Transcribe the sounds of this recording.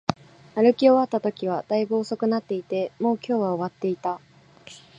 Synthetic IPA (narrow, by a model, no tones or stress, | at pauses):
aɾɯ̟kʲio̞βat̪ːat̪o̞kʲiβ̞ad̪̥aiboːso̞kɯ̟nat̪ːe̞it̪e̞mo̞ːkʲo̞ːβaoβat̪ːe̞it̪a